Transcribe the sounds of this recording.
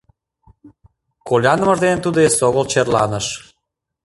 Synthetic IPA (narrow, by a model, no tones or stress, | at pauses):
kolʲɑnəməʒd̪enənt̪ud̪oesoɣəlt͡ɕerlɑ̰nəʃ